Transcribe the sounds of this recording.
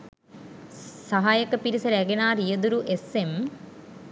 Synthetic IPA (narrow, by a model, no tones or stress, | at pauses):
sɐɦaːjɐkːɐpːiɾisɐɾeɡɐnaːɾijɐd̪uɾuʔesem